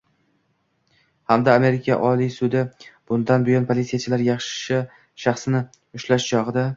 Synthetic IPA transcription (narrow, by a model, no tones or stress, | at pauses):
hamd̪aːme̞ɾɪkʲʰa̰ʔɒlisʊd̪ɪb̥ʊnd̪anbʊjɒnpʰolʲit̪sijat͡ʃʰɪlaɾjɑχʃʃɪ | ʃaχsnɪ | ʊʃlaʃt͡ʃʰɒʁɨd̪a